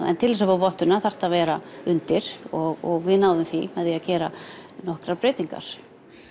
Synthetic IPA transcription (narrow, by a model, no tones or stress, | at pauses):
ɛ̰nt̪ʰɪlɛsavavɔht̪ʏnaθar̥t̪aðvɛːɾaʏnt̪ɪɾ̥ɔɣɔɣvɪðnaːwðʏmθimɛðiacɛːɾa̰nɔhkɾaɾpɾɪːt̪iŋka̰ɾ̥